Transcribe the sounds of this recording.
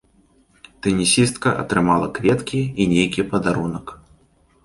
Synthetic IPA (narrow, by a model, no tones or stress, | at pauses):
t̪ɛnʲisʲist̪kɐʔɐ̰t̪ɾɨmalˠɐkvʲɛt̪kʲiinʲejkʲipɐd̪aɾunɐk